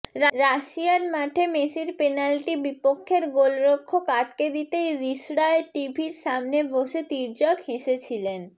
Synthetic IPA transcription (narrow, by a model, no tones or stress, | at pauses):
ɾɾaʃiaɾmaʈʰemesiɾpenalʈibipokʰːeɾɡolɾokʰːokaʈ̚ked̪it̪ejɾiʃɽaeʈibʱiɾʃamneboʃet̪iɾd͡ʑɔkheʃet͡ɕʰilen